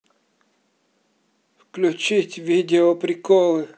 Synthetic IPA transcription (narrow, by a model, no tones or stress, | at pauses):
fklʲʊt͡ʃitʲʋʲidʲɪɔpɾʲɪkɔlˠɨ